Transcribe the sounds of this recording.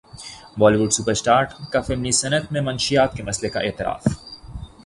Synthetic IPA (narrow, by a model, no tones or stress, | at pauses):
ʋɔːliʋuɖsupəɾsʈaːɾʈkafemlisɐnət̪mẽmɐnʃijaːt̪̚kemɐslekaʔeːt̪ɪɾa̰ːf